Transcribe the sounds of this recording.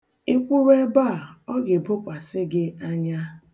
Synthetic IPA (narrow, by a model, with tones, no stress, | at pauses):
ɪ˦kʷu˦we˦ba˦˨ɔ˦ɡɪ˨bʊ˦kʷa˨sɪ˦ɡɪ˦a˦ɲa˦